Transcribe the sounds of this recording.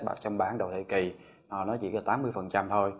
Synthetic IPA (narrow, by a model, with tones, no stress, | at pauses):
ɓa̰ː˧˨˩t͡ɕɔ˧wŋ͡mɓaː˨˦nɗə˨˩wt̪ʰḛ˧˨ki˨˩ | nɔ˨˩nɔ˨˦zḭ˧˨˥laː˨˩t̪aː˨˦mːɨ˧əjfə˨˩nt͡ɕa˧mt̪ʰo˧j